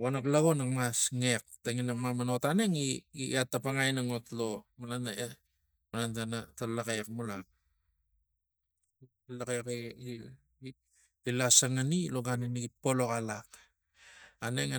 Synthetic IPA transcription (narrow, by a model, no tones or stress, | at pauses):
anoklaɡo̞nakmasŋek̚taŋinamamano̞tane̞ŋiatːapaŋajnaŋotlo̞manana | manantanatalakekmulak̚ | lakek | ilasaŋanilo̞ɡaniniɡipo̞lo̞kalak | aneŋ